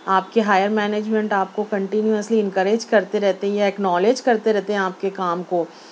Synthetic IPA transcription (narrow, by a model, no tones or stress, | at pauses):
aːpkeɦaːjəɾmɛːneːd͡ʒmɛ̃ɳʈaːp̚kokɐ̃ɳʈɪnjuəsliɪ̃nkəɾeːd͡ʒkɐɾt̪eɾɛɦt̪eɦɛ̃jaɛknɔːleːd͡ʒkɐɾt̪eɾɛɦt̪eɦɛ̃aːp̚kekaːmkoː